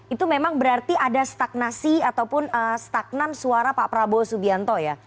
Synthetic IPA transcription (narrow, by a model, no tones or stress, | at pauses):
it̪umemaŋbəɾart̪iʔadast̪ak̚nasiat̪awpʊnəst̪ak̚namsuaɾapapəɾabosubiant̪ɔja